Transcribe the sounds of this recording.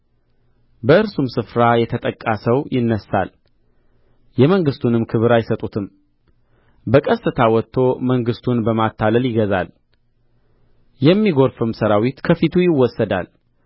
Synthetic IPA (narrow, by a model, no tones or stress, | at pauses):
bəɨɾsumsɨfɾajɛt̪ʰət̪ʼəkʼːasəwjɪnːəsa̰l | jɛməŋɡɨst̪ʰunɨmkʰɨβɨɾajɪsət̪ʼut̪ʰɨm | bəkʼəsːɨt̪ʰawɔt̪ʰːo̞məŋɡɨst̪ʰunbəmat̪ʰːaləljɪɡəza̰l | jɛmːiɡoɾfɨmsəɾawit̪kʰəfit̪ʰujɪwːɔsːəd̪a̰l